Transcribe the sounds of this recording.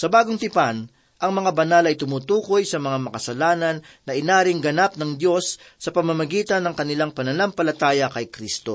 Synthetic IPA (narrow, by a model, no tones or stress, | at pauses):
sɐbaːɡoŋt̪ɪpan | ʔɐŋmɐŋabɐnalɐjt̪ʊmuːt̪uːko̞jsɐmɐŋamɐkɐsɐlaːnɐnːɐʔɪnaːɾɪŋɡɐnap̚nɐŋd̪jo̞sːɐpɐmɐmɐɡiːt̪ɐnːɐŋkɐnɪlaŋpɐnɐlampɐlɐt̪aːjɐkɐjkɾist̪o̞̰